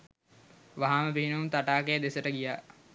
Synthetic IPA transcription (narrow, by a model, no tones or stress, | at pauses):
ʋaɦaːməpiɦinuumt̪aʈaːkejəd̪esəʈəɡijaː